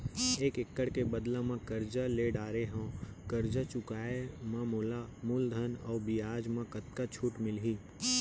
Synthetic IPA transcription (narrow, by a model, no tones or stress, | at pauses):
eːkɪkːəɽkebəd̪lãmãkəɾd͡ʒaleɖaːɾeɦãːkəɾd͡ʒat͡ʃʊkaːemãmoːlamʊld̪ʱənɔːbiaːd͡ʒmãkət̪kat͡ʃʰuʈmɪlɦiː